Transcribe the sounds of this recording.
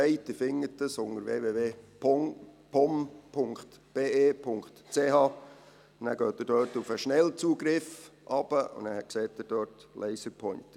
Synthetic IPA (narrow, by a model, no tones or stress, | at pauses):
ɛɪt̪ːəfɪŋːətːəsʊŋəɾveːveːveː | pʰɔmpʰʊŋkχt̪b̥eːʔeːpʰʊŋkχtt͡seːɦɑː | næːɾɡ̥øːt̪ːədœːɾtufəʃnɛlt͡suːɡɾɪfʔɑb̥əʔʊ̰næːɾhɛt̚ksɛːtːəd̥øːɾtlʔɛɪsəɾpʰɔʏnt